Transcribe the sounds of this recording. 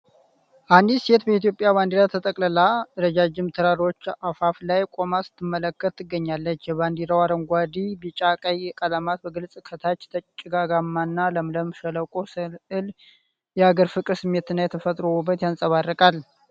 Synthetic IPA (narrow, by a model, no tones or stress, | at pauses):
ʔand̪ise̞t̪bəit̪jo̞pʼjaβand̪iɾat̪ʰət̪ʼəkʼləlaɨɾəd͡ʒad͡ʒɪmt̪ʰɨɾaɾo̞t͡ʃːafaflajkʼo̞masɨ̥t̪ʰːɨmːələkːət̪ːɨɡːəɲːalːət͡ʃːjɛβand̪iɾawaɾəŋɡʷad̪ibit͡ʃʼakʼəjɛkʼəlamat̪̚bəɡɨlsʼkʰət̪ʰat͡ʃːt̪ʰət͡ʃʼːɪɡaɡamːanːaləmləmʃələkʼosɨlɨl | jɛaɡəɾfɨkʼɨsɨmːe̞t̪ɨnːajɛt̪ʰəfət̪ʼɾo̞ubːət̪jansʼəβarːəkʼal